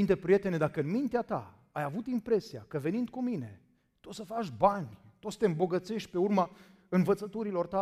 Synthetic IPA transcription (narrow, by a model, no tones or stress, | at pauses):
ind̪epɾije̞t̪e̞ned̪akəɨnmint̪eat̪a̰ | ajavut̪impɾe̞sia̰kəve̞nind̪̥̚kumine̞̰ | t̪o̞t̪səfat͡ʃʲbanʲt̪osə̥t̪eɨmbo̞ɡət̪se̞ʃt̪̚ʲpe̞urma | ɨnvət̪sət̪uɾilo̞rt̪a